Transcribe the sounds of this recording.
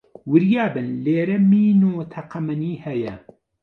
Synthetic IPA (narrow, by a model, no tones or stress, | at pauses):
wɨɾjaːbɨnleːɾɛmiːnuːt̪ʰɐqɐmɐniːhɛjɛ̰